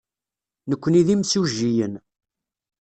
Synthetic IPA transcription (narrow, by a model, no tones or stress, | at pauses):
nəkʷːəniðimsuʒːijən